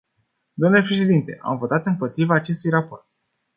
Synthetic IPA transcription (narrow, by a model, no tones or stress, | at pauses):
d̪amnulepɾe̞ʃe̞d̪int̪e̞̰ʔa̰mvo̞t̪at̪ɨmpo̞t̪ɾivaːt͡ʃe̞st̪ujrapo̞rt̪̚